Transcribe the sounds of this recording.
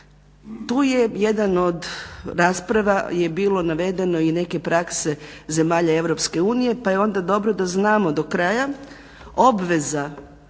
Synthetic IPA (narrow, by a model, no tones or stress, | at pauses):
t̪uːjeje̞d̪ano̞d̪ɾaːspɾaʋaje̞biːlˠo̞naʋe̞d̪e̞no̞ine̞ke̞pɾakse̞ | ze̞maːʎae̞ʋɾo̞pske̞uːnije̞pajeo̞nd̪ad̪o̞bɾo̞d̪aznaːmo̞d̪o̞kɾaːja | o̞bʋe̞za